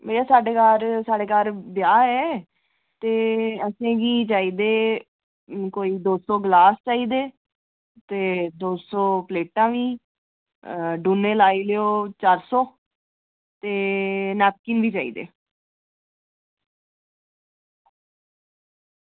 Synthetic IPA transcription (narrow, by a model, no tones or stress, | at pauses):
bəjaːsaːɖeːkaɾsaːɖeːkaːɾbjaːɦɛː | t̪eːəsẽːɡiːt͡ʃaːiːd̪eː | koːiːd̪oːsɔːɡlaːst͡ʃaːiːd̪eː | t̪eːd̪oːsɔːpleːʈãːʋiː | ɖuːnːeːlaːiːleoːt͡ʃaːɾsɔː | t̪eːnɛːp̚kɪnʋiːt͡ʃaːḭːd̪ḛː